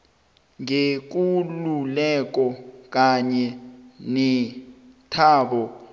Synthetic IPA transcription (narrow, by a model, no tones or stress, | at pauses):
ŋek̬ululɛk̬ɔk̬ʼaɲɛnɛ | tʰaːɓɔ